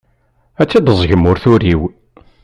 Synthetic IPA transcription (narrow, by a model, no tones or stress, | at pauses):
æt͡sːæd̪əzˤʝəmʊɾθuɾiw